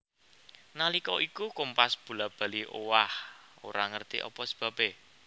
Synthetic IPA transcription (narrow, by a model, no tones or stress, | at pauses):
nalikɔʔikukompasb̥ṳlab̥ä̤liʔowaho̰ɾaŋərt̪ḭʔɔ̰pɔsi̥b̥ä̤b̥e